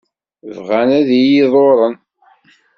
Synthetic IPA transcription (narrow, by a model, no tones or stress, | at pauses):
vʁænæðijiðˤoɾˤən